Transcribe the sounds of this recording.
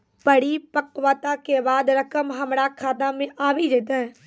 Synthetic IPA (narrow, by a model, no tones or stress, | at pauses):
pəɽipəkʋaːt̪akebaːd̪ɾɐkəmɦɐmɾakʰaːd̪amẽʔaːbid͡ʒeːt̪eɦɛ̃ː